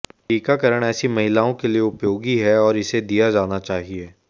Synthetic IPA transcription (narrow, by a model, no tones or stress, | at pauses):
ʈiːkakɐɾəɽ̃ɛːsimɐɦɪlaːõkelieʊpjoːɡiɦɛɔːɾɪsed̪ijad͡ʒaːnat͡ʃaːɦieː